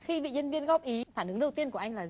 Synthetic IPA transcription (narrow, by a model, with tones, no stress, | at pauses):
xi˧vḭ˧˨ɲə˧nvi˧ənɣɔ˦˥p̚ʔi˨˦faː˧˩nʔɨ˨˦ŋɗə˨˩wt̪i˧ənku˧˩əʔa˧ŋlaː˨˩